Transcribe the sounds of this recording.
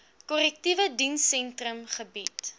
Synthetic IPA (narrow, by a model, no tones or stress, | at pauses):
kɔlɛk̚tivədinsɛntrəmχəbit